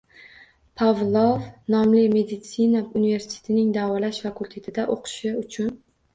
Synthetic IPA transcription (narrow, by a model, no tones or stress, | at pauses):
pʰavlˠovnɒmlɪme̞d̪ɪt̪sinaunɪve̞ɾsɪ̥t̪ʰet̪ʰɪnɪŋd̪avɒlaʃfakʰulˠʲt̪ʰe̞t̪ʰɪd̪aʔoqʰɨ̥ʃɪʊt͡ʃʰʊn